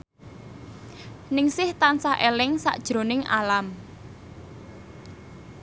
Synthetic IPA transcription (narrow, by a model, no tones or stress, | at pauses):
nɪŋsɪht̪ansahʔelɪŋsa̰ʔd̥ʒ̥ɾo̤nɪŋa̰lam